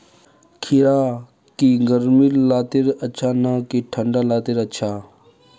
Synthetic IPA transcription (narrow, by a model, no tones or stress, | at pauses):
kʰiɾaː | kiɡəɾmiɾlaːt̪iɾɐtːt͡ʃʰaːnaːkiʈʰəɳɖalaːt̪iɾɐtːt͡ʃʰaː